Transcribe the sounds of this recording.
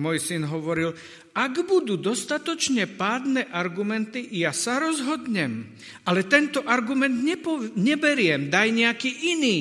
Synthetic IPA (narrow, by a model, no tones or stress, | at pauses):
mɔjsinɦɔʋɔɾil | aɡbud̪uːd̪ɔst̪at̪ɔt͡ʃɲɛpaːd̪nɛʔaɾɡumɛnt̪ijasaɾɔzɦɔd̪ɲɛm | alɛt̪ɛnt̪ɔʔaɾɡumɛnd̪ɲɛpɔɲɛbɛɾɪɛmd̪ajɲɛakiːʔiniː